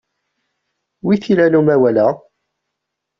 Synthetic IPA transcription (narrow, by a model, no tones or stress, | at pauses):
wiθilænumæwælæ